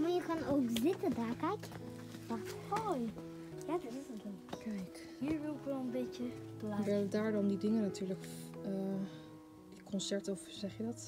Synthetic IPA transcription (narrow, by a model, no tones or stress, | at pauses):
majəkaːnowkzɪtədaːkɛjk | d̥axthoj | jadɔtɪsətdɔnkɛjk | ɦiːɹʋɪlˠɪkʋɛlˠənbejtəblaɛdaːɹdɑndidɪŋənatyːɹləkə | kʰɔnsɛɹtɔfz̥ɛχjədɑt